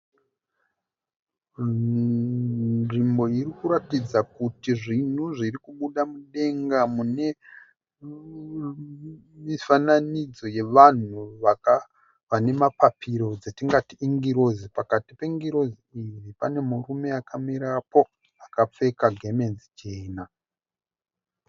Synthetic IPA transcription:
nʐimbo̞iɾikuɾatid͡zakutiʐin̤uʐirikuɓuɗamuɗe̞ŋɡamune̞ | mifananid͡zo̞je̞ʋan̤uʋaa | ʋane̞mapapiɾo̞d͡zetiŋɡatiiŋɡiɾo̞zipakatipeŋɡiɾo̞ziiʋipane̞muɾume̞akʰamiɾapo̞ | akap͡fe̞kaɡʱe̞me̞nzit͡ʃena

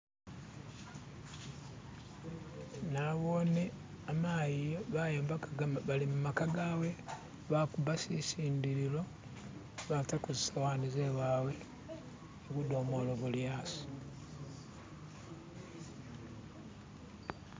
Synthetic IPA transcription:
naβone | amajiβajeːmbaalimumakaɡawe | βakuβasisiːndiɾilo̞ | βatakuzisawanizeβaːwe | eβudomoloβuljaːsi̥

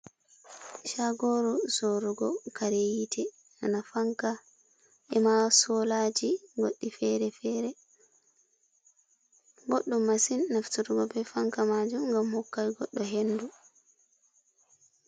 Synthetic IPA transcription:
ʃaɡɔɾusɔɾɔɡɔkaɾejitʰɛ | anafaŋka | ʔɛmasɔlad͡ʒiɡo̰ɗːifɛɾɛfɛɾɛ | ɡoɗːumːasinːaftuɾuɡɔbɛfaŋkamad͡ʒumŋɡamhɔkːajɡɔɗːɔɦenːdu

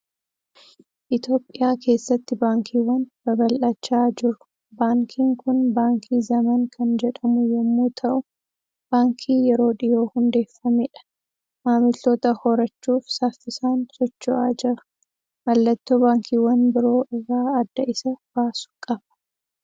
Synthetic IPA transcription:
ʔɪt̪o̞ːpʼːɪjaːke̞ːsːɐt̪ːɪbaːŋkʰiːwːɐnb̥ɐbɐlʔɐt͡ʃːaːd͡ʒɪɾʊ̥ | baːŋkʰiːŋkʊnbaːŋkʰiːzɐmɐŋkʰɐnd͡ʒɛᶑɐmʊjɛmːuːt̪ʰɐʔʊ | b̥aːŋkʰiːjɛɾo̞ːᶑɪjo̞ːhʊnd̪e̞ːfːɐmeːᶑɐ̥ | maːmɪlt̪oːt̪ɐhɔɾɐt͡ʃːuːfsaːfːɪsaːnsɔt͡ʃːʊʔaːd͡ʒɪɾɐ̥ | mɐlːɐt̪ːoːbaːŋkiːwːɐnbɪɾo̞ːʔɪrːaːɐd̪ːɐʔɪsɐb̥aːsʊ̥kʼɐbɐ̥

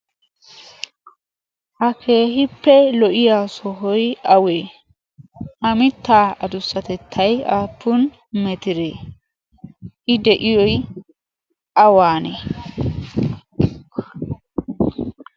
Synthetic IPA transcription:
ʔɐkʰe̞ːɦɪpːɛlɔʔɪjaːsɔɦɔjɐweː | hɐmɪt̪ːaːɐd̪ʊsːɐt̪ɛt̪ʰːɐjaːpːʊn | mɛt̪ɪɾeː | ʔɪd̪ɛʔɪjɔj | ʔɐwaːnɛ̰

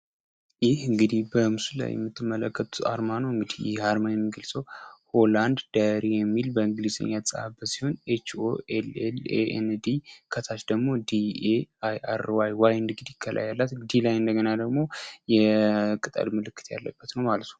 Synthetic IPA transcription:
jɪhɨŋɡɨd̪ihbəmɨsula̰jːɛ̰mːɨt̪ʰːɨmːələkʰːət̪ʼua̰ɾmanoɨŋɡɨd̪ihjɪ̰haɾmajɛmːiɡəlsəwholand̪d̪̥aɾijɛmːilbəɨŋɡlizḛɲːat̪sʼəabːət̪siho̞net͡ʃo̰ɛlɛlḛʔɛ̰nd̪ikʰət̪ʰat͡ʃd̪əɡmo̞d̪ieajʔa̰ɾwajwajɨnd̪ŋɡɨd̪ikʰːəlʔa̰jalːat̪ɨɡd̪ilajɨnd̪əɡənad̪əɡmo̞jɛkʼɨt̪ʼə̰lmɨlɨkːɨ̥t̪ja̰lːə̰bːət̪nəwmalət̪nəw

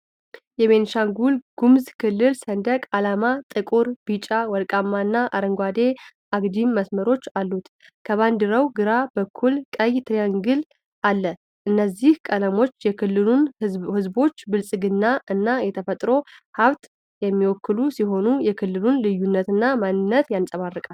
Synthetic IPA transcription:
jɛβe̞nʃaŋɡulɡ̥umzkʰɨlːɨlsənd̪əkʼalamat̪ʼɨkʼuɾb̥it͡ʃʼawɔlkʼamːanːaʔaɾəŋɡʷad̪e̞ʔaɡd̪imːəsməɾo̞t͡ʃːalːut̪ | kʰəβand̪ɨɾəwɡɨɾabəkʰːulkʼəjt̪ʰɾijaŋɡɨl | ʔalːə | ʔɨnːəzːihkʼələmo̞t͡ʃːjɛkʰɨlːɨunhɨzbo̞t͡ʃːbɨlsʼɨɡɨnːaɨnːajɛt̪ʰəfət̪ʼɾo̞haβt̪ | jɛmːiwɔkːɨlusiɦo̞nujɛkʰɨlːɨlunlɨjːunːət̪ɨnːamanːɨnːət̪jansʼəβarːɨkʼal

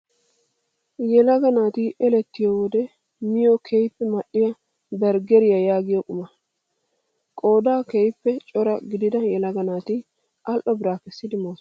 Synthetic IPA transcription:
jɛlɐɡɐnaːt̪ɪʔɛlɛt̪ːɪjowɔd̪ɛ | mɪjokʰɛjpːɛmɐɗːɪjɐ | bɛɾɡɛɾɪjɐjaːɡɪjɔkʼʊmɐ | kʼo̞ːd̪aːkɛjpːɛt͡ʃʼɔɾɐɡɪd̪ɪd̪ɐjɛlɐɡɐnaːt̪ɪ | ʔɐlʔɔbɪɾaːkɛsːɪd̪ɪmoːs

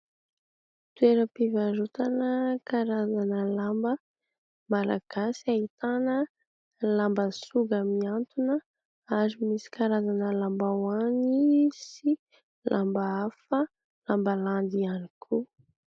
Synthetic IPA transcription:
t̪ueɾəpivaɾut̪anəkaɾazanəlambə | mala̰ɡ̥asiait̪anə | lambəsuɡamiant̪unə | aɾimisi̥kaɾazanəlambawanisi | lʔa̰mbaafə | lambəland̪ianikʰu

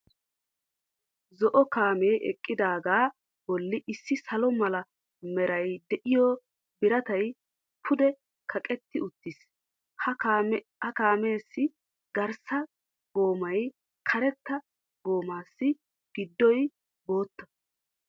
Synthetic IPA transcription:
zɔʔɔkaːmeːʔɛ̰kʼːɪd̪aːɡaː | bɔlːɪʔɪsːɪsɐlɔmɐlɐ | mɛɾɐjd̪ɛʔɪjɔ | bɪɾɐt̪ɐj | pʰʊd̪ɛ | kʰɐkʼɛt̪ːɪʊt̪ːɪs | hɐ | hɐkaːme̞ːsːɪ | ɡɐɾsɐ | ɡo̞ːmɐj | kʰɐɾɛt̪ːɐ | ɡo̞ːmaːsːɪ | ɡ̥ɪd̪ːɔj | bo̞ːt̪ːɐ̥

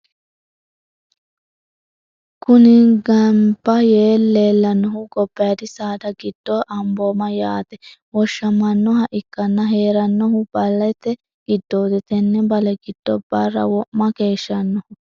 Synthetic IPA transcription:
kʊnɪɡɐmbɐjeːlːeːlːɐnːɔɦʊɡɔb̥ːɛjɐd̪ɪsaːd̪ɐɡɪd̪̥ːoːʔɐmboːmɐjaːt̪ɛwɔʃːɐmɐnːɔɦɐʔɪkːɐnːɐɦeːɾɐnːɔɦʊbɐlːɐt̪ːɛ | ɡ̥ɪd̪ːoːd̪ɛt̪ɛnːɛbɐlɛɡɪd̪̥ːɔbɐrːɐ̰wɔʔmɐke̞ːʃːɐnːɔhʊ

